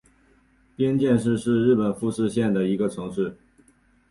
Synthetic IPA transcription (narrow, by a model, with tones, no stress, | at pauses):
pjɛ˥nt͡ɕjɛ˥˧nʂɻ̩˥˧ʂɻ̩˥˧ɻɻ̩˥˩pə˨˩nfu˥˧ʂɻ̩˥˧ɕjɛ˥˩nd̪ə˩i˧˥ɡə˧ʈ͡ʂʰɤ˧˥ŋʂɻ̩˥˩